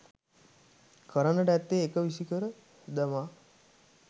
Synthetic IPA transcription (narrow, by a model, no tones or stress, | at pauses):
kəɾənəʈəæt̪ːeːkəʋisikəɾə | d̪ama